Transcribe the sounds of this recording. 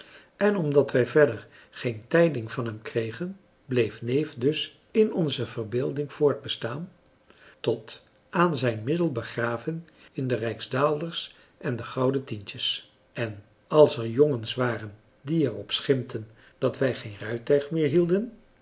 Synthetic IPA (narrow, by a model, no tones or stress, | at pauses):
ʔɛnɔmdɑtʋɛjvɛɹdəɹ | χejntɛjdɪŋvɑnɦɛmkrejχən | blejfnejfdɵs | ɪnɔnzəvərbeːlˠdɪŋv̥ʊːɹd̚bəstaːn | tɔt | ʔaːnzɛjnmɪdəlˠbəχraːvən | ɪndərɛjkzdaːlˠdəɹs | ʔɛndəχɑwdətintəs | ɛn | ɑlˠsɛɹjɔŋənsʋaːrən | diɛɹɔpsχɪmtʰən | d̥ɑtʋɛjχejnrœɥtœɥχmɪːɹɦilˠdən